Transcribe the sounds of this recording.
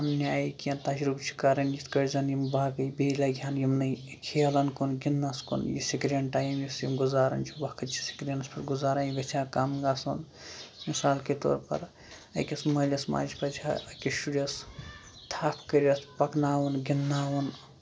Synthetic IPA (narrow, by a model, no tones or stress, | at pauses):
ɐmnʲaːjikijɐnt̪ɐd͡ʒɾubt͡ʃʰi̥kaːɾɐnd͡ʒit̪ʰkɐɾʲzɐnjimbaːɡɐjbeːlaɡʱʲjaːnjimnɐ | kʰeːlɐnkunɡinːaskṵnjisikɾeɳʈaːjimjisjimɡuzaːɾɐ̰nt͡ʃʰibɐkʰɐt͡ʃʰisi̥kɾenɐspʰɐʈɡuzaːɾaːjɡɐt͡ʃʰaːkamɡaːson | misaːlket̪o̰ːɾpɐ̰ɾ | ɐ̰kʲɐsmɐlɐsma̰ːd͡ʒpɐt͡ʃʰʲaɐkʲisuɾɐs | t̪ʰaːpʰkɐɾɐspɐknaːwɐnɡinːaːʋɐn